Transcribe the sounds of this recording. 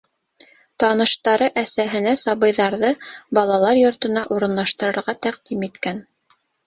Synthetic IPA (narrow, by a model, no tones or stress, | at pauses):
t̪ɑnɤ̆ʃt̪ɑɾɤʔæsæɦɘ̆næsɑβɤ̆jðɑɾðɤbɑlˠɑlˠɑɾjŏɾt̪ɤ̆nɑʔuɾɤ̆nlˠɑʃt̪ɤ̆ɾɤ̆ɾʁɑt̪æq̚d̪imit̪kæn